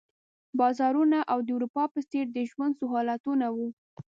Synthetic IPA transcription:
bɑzɑɾunaʔawd̪əuɾupɑpəst̪eɾd̪əʒwand̪sʊɦɑlat̪unawu

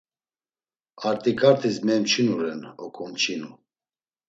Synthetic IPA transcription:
aɾt̪ʼikʰʼaɾt̪ʰismɛmt͡ʃʰinuɾɛnɔkʼʰɔmt͡ʃʰinu

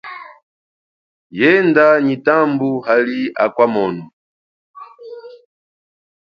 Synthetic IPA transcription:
jɛndaɲitambuhalia̰kwamɔnu

